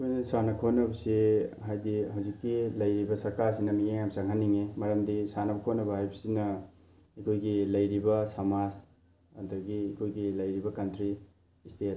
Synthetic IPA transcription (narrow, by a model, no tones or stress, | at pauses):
kʰojnɐsanɐkʰonɐbɐsiɦajdiɦawzikːilɐjɾibɐsɐɾkaɾsinɐmijeŋamsaŋɦanːiŋemɐɾɐmdisanɐbɐkʰonːɐbɐɦajbɐsinɐ | ekʰojɡilɐjɾibɐsɐmaz | ɐdɐɡiːkʰojɡilɐjɾibɐkɐntɾiː | stʰet